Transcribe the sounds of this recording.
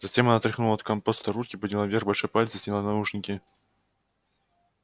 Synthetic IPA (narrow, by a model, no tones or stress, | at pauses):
zɐtʲemɐnat̪ɾʲɪxnulˠɐt̪kɐmpost̪ɐɾut̪kʲɪpəd̪ʲnʲɪlˠavʲerxbɐlʲʂojpalʲt̪səsʲnʲɪlˠanɐuʂnʲɪkʲɪ